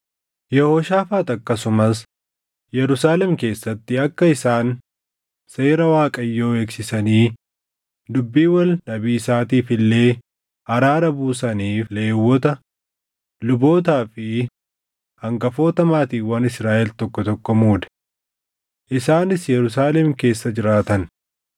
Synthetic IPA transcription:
jɛhoːʃaːfaːt̪ɐkːɐsʊmɐs | jɛɾʊsaːlɛmke̞ːsːɐt̪ːɪɐkːɐɪsaːn | se̞ːɾɐwaːkʼɐjːo̞ːeːksɪsɐniː | d̪ʊbːiːwɐlːɐbiːsaːt̪iːfɪlːe̞ː | hɐɾaːɾɐbuːsɐniːfle̞ːwːɔt̪ɐ | lʊbo̞ːt̪aːfɪ | hɐŋɡɐfo̞ːt̪ɐmaːt̪iːfwɐnɪsɾaːʔɛlt̪ɔkːɔt̪ɔkːɔmuːd̪ɐ̥ | ʔɪsaːnɪsjɛɾʊs̬aːlɛmke̞ːsːɐd͡ʒɪɾaːt̪ɐn

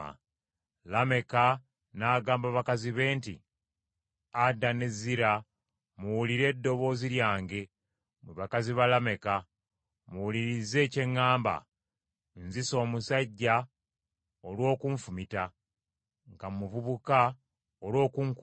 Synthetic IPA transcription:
a̰ | lame̞ka | naːɡaːmbaβakaziβe̞ːntḭ | adːane̞ziɾa | muwuliɾe̞ːdːo̞βo̞ːziljaːŋɡe̞ | meβakaziβalame̞ka | muwuliɾize̞ːce̞ŋːaːmba̰ | nziso̞ːmusaɟːa | olwo̞ːkuɱfumita | ŋɡamuvuβuka | olwo̞ːkuŋk

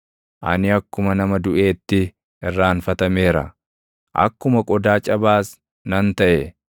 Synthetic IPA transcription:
ʔɐ̰nɪɐkːʊmɐnɐmɐd̪ʊʔe̞ːt̪ːɪ | ɪrːaːnfɐt̪ɐme̞ːɾɐ̰ | ʔɐ̰kːʊmɐkʼɔd̪aːt͡ʃʼɐbaːs | nɐnt̪ɐʔɛ

